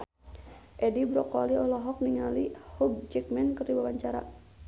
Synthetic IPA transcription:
ʔɛdibɾɔkɔliɔlɔɦɔk̚niŋalihuɡ̚d͡ʒik̚mɛnkərdibawaɲt͡ʃaɾa̰

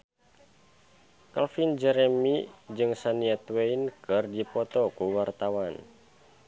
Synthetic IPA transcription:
kalfind͡ʒɛɾɛmid͡ʒɨŋsaniat̪weinkɨrdipɔt̪ɔkuwart̪awan

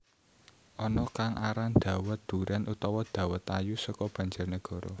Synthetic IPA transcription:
ʔɔnɔkaŋʔaɾand̪̥ä̤wət̪̚d̪̥ṳɾʔanʔut̪ɔwɔd̪̥a̤wət̪ajusɔkɔb̥a̤ɲd͡ʒʊrnəɡ̥ɔ̤ɾɔ̰

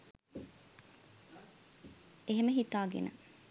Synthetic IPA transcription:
eɦeməɦit̪aːɡḛnə̰

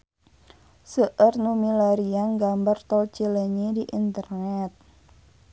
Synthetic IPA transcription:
səʔərnumilaɾiaŋɡambart̪ɔlt͡ʃeleɲediʔint̪ərnɛt̪̚

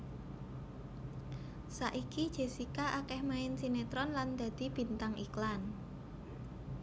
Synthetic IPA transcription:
saʔikid̥ʒ̥e̤sikaʔakɛhmaɪnsinet̪ɾɔnland̪̥a̤d̪̥i̤b̥i̤nt̪aŋʔiklan

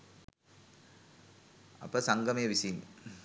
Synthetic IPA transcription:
ɐ̰pːɐsɐŋɡʱɐmejʋisin

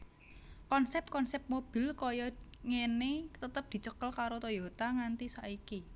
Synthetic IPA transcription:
kɔnsɛp̚kɔnsɛp̚mob̥i̤lkɔjɔŋenet̪ət̪əp̚d̪̥i̤t͡ʃəkəlkaɾot̪ojot̪aŋant̪isaʔiki

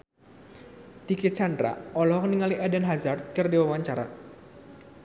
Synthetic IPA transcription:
d̥ikit̪̚t͡ʃandɾa̰ɔlɔɦɔŋəniŋaliʔadanɦazart̪̚kərdiwawaɲt͡ʃaɾa̰

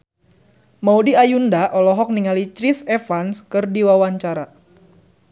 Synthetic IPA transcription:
maudiajundaʔɔlɔɦɔk̚niŋalit͡ʃɾisefanskɨrdiwawaɲt͡ʃaɾa

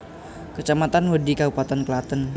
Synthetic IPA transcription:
kət͡ʃamat̪anhodikabupat̪anklat̪ən

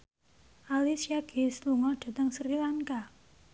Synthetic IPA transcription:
ʔalisiaɡ̥e̤sluŋɔɖ̥a̤t̪əŋsɾilaŋka

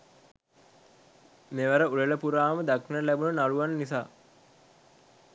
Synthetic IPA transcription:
meʋəɾəuleləpuɾaːməd̪akinəlæbunənaluʋannisaː

